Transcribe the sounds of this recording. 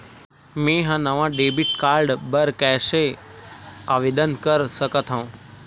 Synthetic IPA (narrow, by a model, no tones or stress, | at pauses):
mẽɦãnəʋãɖebiʈkaːɾɖbəɾkɛːʃe | aʋed̪ənkəɾsəkət̪ʰɦəũ